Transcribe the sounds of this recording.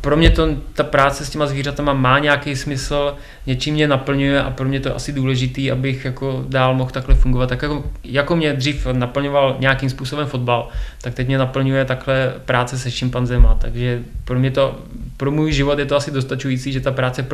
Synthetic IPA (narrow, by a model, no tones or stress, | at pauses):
pɾo̞mɲɛt̪ot̪apɾaːt͡sɛscɛmazviːrat̪amamaːɲɛjakejsmɪsl̩ | ɲɛt͡ʃimːɲɛnapl̩ɲujɛʔa̰pɾomɲɛt̪o̰ʔa̰sɪduːlɛʒɪt̪iːʔabɪxjako̞daːlmo̞xt̪aklɛfuŋɡovat̪ːjakjakojako̞mɲɛd̪r̝iːfnapl̩ɲo̞valɲɛjakimspuːso̞bɛmfod̪balt̪ak̚t̪ɛc̚mɲɛnapl̩ɲujɛt̪aklɛpɾaːt͡sɛsɛfʃɪmpanzɛmat̪aɡʒɛpɾomɲɛt̪o | pɾomuːjʒɪvo̞t̪jɛt̪oasɪdost̪at͡ʃujiːt͡siːʒɛt̪apɾaːt͡sɛp